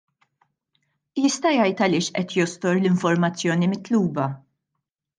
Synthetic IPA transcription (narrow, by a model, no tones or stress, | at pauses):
jɪst̪ɐjɐjt̪ɐlɪːʃʔɛt̪jɔst̪ɔɾlɪɱfɔɾmɐt͡sːjɔːnimɪt̪luːbɐ